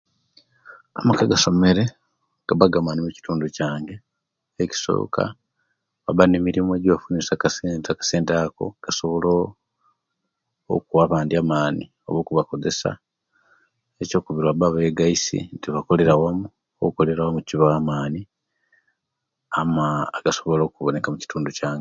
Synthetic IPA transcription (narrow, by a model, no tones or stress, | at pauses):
a̰makaɡaso̞me̞ɾe̞ | ɡ̥aβaɡamanimuci̥tuːnducaːŋɡe̞ː | ci̥so̰ːkʰa̰ | βaβanemiɾimoeɟiβafunisakasentakḁseːntako̞̰ɡ̥aso̞βo̞lo | kuwaβaːndiaːmaːnḭ | o̞̰βoːkuβako̞ze̞sa̰ | eco̞ːkuβiɾwaβaβeɡaisḭntiβako̞le̞ɾawamu | okuko̞le̞ɾawamuciβaaːmaːni | aaɡ̥aso̞βo̞lo̞ːkuβo̞ne̞kamuci̥tuːnducaːŋɡe